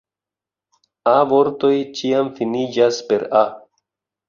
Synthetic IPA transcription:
avo̞ɾto̞jt͡ʃiamfinid͡ʒaspe̞ɾa

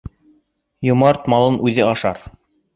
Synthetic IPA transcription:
jŏmɑɾt̪mɑlˠɤnʔʉðɘɑʃɑ̰ɾ

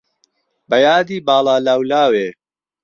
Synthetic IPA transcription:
bɐjaːd̪iːbaːlaːlawlaːweː

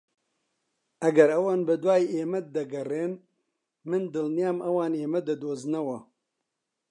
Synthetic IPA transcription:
ɐɡɐɾɐwaːnbɨd̪waːjeːmɐt̪̚d̪ɐɡɐreːn | mɨnd̪ɨlnjaːmʔɐwaːneːmɐd̪ɐd̪oːznɐwɐ

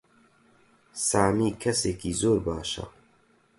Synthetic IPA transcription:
saːmiːkʰɐseːkiːzoːɾbaːʃa̰

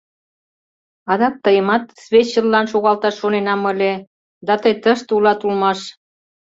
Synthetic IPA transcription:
ɑd̪ɑk̚t̪əjəmɑt̪sβʲet͡ɕːəlːɑnʃoɣɑlt̪ɑʃːonenɑməlʲe | d̪ɑt̪əjt̪əʃt̪ulɑt̪ulmɑʃ

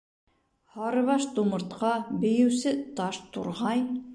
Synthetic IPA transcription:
hɑɾɤ̆βɑʃt̪umɤ̆ɾt̪qɑbɘ̆jɘ̆wsɘt̪ɑʃt̪ṵɾʁɑj

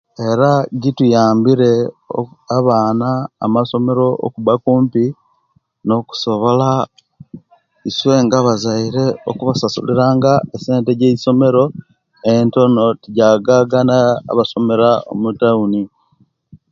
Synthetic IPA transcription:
e̞ɾaɟitujaːmbiɾe̞o̰aβaːna̰ːmaso̞me̞ɾo̞o̰kuβakuːmpi | no̞ku̥so̞βo̞la | iswe̞ːŋɡaβazaiɾe̞o̰kuβasasṵliɾaːŋɡaese̞ːnteɟeiso̞me̞ɾo̞ | e̞nto̞no̞tiɟaɡaɡanaa̰βaso̞me̞ɾao̰mutauni

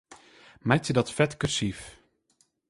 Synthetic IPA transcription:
mɛjtədɔtfɛtkørsif

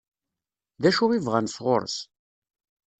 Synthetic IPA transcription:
ðæʃʊʁivʁænsʁo̰ɾˤə̰s

